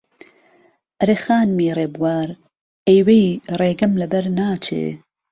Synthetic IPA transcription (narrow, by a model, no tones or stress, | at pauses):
ʔɐɾeːxaːnmiːreːbuwaːɾ | ejwejreːɡɐmlɐbɐɾnaːt͡ʃʰḛː